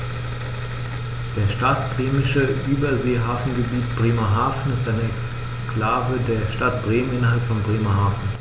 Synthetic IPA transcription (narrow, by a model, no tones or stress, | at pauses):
d̥eːɐʃtatb̥ʁeːmɪʃəʔyːbɐzeːɦaːfn̩ɡəbiːtb̥ʁeːmɐɦaːfn̩ɪstʔaɪnəɛks | kʰlaːvədeːɐʃtat̚b̥ʁeːmənɪnɐɦalptfɔnbʁeːmɐɦaːfn̩